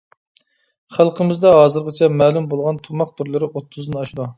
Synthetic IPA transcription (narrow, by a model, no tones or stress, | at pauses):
χælˠqʰəmɪzd̪ɛɦɑːzɨɾʁət͡ʃʰɛmɛːlˠumbolˠʁɑnt̪ʰumɑq̚t̪ʰuɾlˠɨɾɪʔot̪ʰːʊzɨnɑʃd̪ˠu